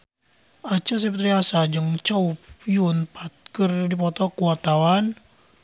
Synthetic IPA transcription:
ʔat͡ʃəs̬ɛpt̪ɾiasad͡ʒɨŋt͡ʃɔupjunpat̪̚kɨrdipɔt̪ɔkuat̪awan

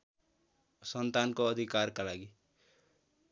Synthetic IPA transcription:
sʌnt̪ankoʌd̪ʱikarkalaɡi

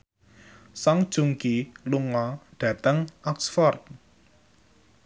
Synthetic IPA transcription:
saŋd̥ʒ̥uŋkiluŋɔɖ̥ä̤t̪əŋʔɔksfɔrt̪̚

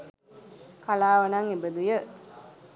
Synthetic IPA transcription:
kalaːʋɐnaŋebəd̪ujə

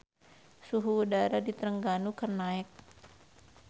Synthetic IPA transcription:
suɦuːdaɾadit̪ɾəŋɡanukərnaɪk̚

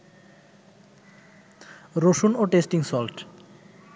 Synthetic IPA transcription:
ɾoʃunoʈesʈiŋsɔlʈ

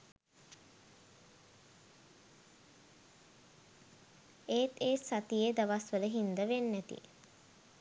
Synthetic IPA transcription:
eːt̪eːsat̪ijed̪aʋasʋələɦind̪əʋenːæt̪ḭ

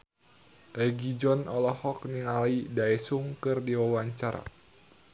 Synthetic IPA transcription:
ʔɛɡid͡ʒɔnɔlɔhɔk̚niŋalaidaɛsuŋkɨrdiwawaɲt͡ʃaɾa̰

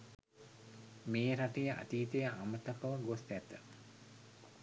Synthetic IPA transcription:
meːɾaʈejəʔa̰t̪iːt̪ejəʔamət̪ɐkəʋəɡost̪æt̪ə

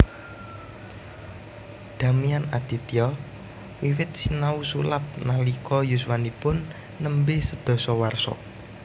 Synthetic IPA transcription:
d̪̥a̤mianad̪̥i̤t̪iɔ | wiwɪt̪̚sinausulap̚nalikɔjuswanipʊnː | əmbesəd̪̥ɔ̤sɔwarsɔ̰

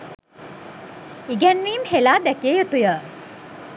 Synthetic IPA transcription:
iɡænʋiːmhelaːd̪ækeːjot̪ujə

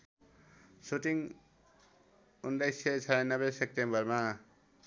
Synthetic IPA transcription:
suʈiŋ | undajsʌt͡sʰaɾanʌbesek̚ʈembʌrma

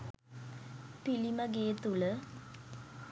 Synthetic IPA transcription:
pilimɐɡeːt̪ːuɭə

